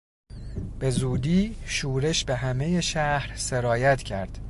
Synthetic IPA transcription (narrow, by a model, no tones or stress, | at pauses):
b̥e̞zuːd̪iːʃuːɾe̞ʃbe̞ɦæme̞je̞ʃæhɾse̞ɾɒːjæt̪ʰcʰæɾd̪̥